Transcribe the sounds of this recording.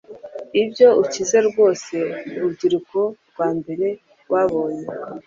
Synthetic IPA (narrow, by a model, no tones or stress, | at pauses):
ibɟjo̞ucize̞ɾɡwo̞ːse̞uɾubɟiɾuko | ɡwaːmbe̞ɾe̞ | waβo̞ːɲe